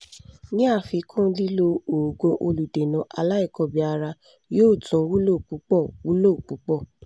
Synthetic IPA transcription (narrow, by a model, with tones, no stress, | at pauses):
nĩ˦a˦˨fi˧kʰũ˦li˦lo˧o˨ɡõ˧ʔo˧lu˨de˨nɔ̃˨˦ʔa˧la˦i˦˨kɔ˨bi˨˧a˧ɾa˧ | joː˦˨tʰũ˨˦wu˦lo˦˨k͡pu˨˦k͡pɔ˦˨wu˦lo˦˨k͡pu˨˦k͡pɔ˦˨